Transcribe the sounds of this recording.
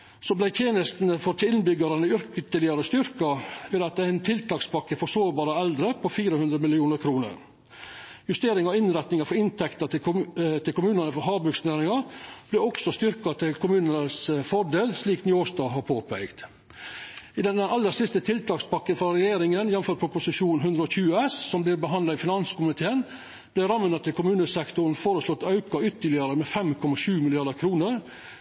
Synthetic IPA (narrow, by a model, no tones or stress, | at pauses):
sɔblæɪt̪ʰjeːnəst̪nəfɔɾt̪ʰɪɪnbʏɡɑɾɑnəʏɾkət̪əlɪɑɾəst̪ʏɾkɑʋɪlɑt̪æɪnt̪ʰɪlt̪ʰɑːkspʰɑkːəfɔsoːɾbɑːɾəɛld̪ɾəpʰɔfiːɾəhʉnd̪ɾəmɪlɪuːnəɾkʰɾuːnə̰ɾ | jʉst̪eːɾɪŋɔɪnɾɛt̪nɪŋɑfɔɾɪnt̪ʰɛkt̪ət̪ʰɪlkʰʊmʉːnənəfɔɾɦɑːbʉksneːɾɪŋɑb̥lɛɔksɔst̪ʏɾkɑt̪ʰɪlkʰʊmʉːnənəsfɔɖeːlsliːknjoːʂt̪ɑːɦɑɾpʰoːpʰæɪɡd̪ | ɪd̪ɛnɛnɑlːəsɪst̪ət̪ʰɪlt̪ʰɑːkspɑkːənfɔɾɛjeːɾɪŋənjɛnm̩føːɾpʰɾʊpʊsɪʂuːnɦʉnd̪ɾəɔçʉːəɛssɔmblɪːɾbəɦɑnd̪lɑɪfɪnɑnskʰʊmɪt̪ʰeːən | b̥lɪɾɑmːnɑt̪ʰːɪlkʊmʉːnəsɛkt̪ʊɾn̩foːɾəslɔt̪ːɑʉkɑʏt̪ːəlɪəɾəmɛfɛmkʰɔmɑʂʉːmɪlɪɑɖ̪əkʰɾuːnəɾ